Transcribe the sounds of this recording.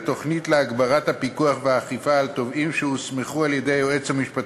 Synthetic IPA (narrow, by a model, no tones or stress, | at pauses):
t̪o̞χnitleaɡbaʁathapikuaχveaːχifaːlt̪o̞vimʃehusmeχualjed̪e̞joe̞t͡samiʃpat̪